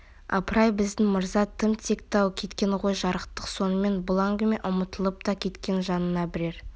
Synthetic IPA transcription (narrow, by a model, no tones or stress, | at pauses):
ɑ̰pɾɑjbɪzd̪ɪŋməɾzɑt̪ʰəmt̪ʰe̞kt̪ɑwkʲʰe̞t̪kʲe̞nʁo̞jʒɑɾəqt̪əqso̞nəme̞nbʊlˠɑŋɡʲəme̞ʔʊmət̪əlˠəp̚t̪ɑkʲʰe̞t̪kʲe̞nʒɑnənɑbɪɾe̞ɾ